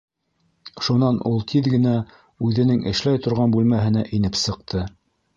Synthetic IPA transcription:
ʃunɑnʔulˠt̪ʰiðɡɘ̆næ | ʉðɘ̆nɘŋʔɘ̆ʃlæjt̪ŏɾʁɑnbʉlmæɦɘ̆næʔinɘpsɤ̆q̚t̪ʰɤ

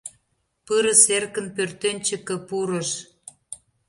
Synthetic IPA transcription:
pɨɾə̆serkə̆npørt̪enʲt͡ɕə̆kə̆puɾə̆ʃ

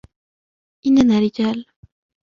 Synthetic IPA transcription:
ʔɪnːanaːɾɪd͡ʒaːl

